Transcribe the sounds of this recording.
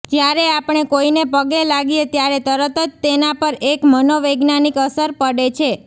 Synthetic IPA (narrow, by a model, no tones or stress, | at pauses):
d͡ʒjaɾeapɳ̃ekoinepəɡelaɡijet̪jaɾet̪əɾət̪əd͡ʒt̪enapəɾekmənoʋeɡnanikəsəɾpəɽet͡ʃʰe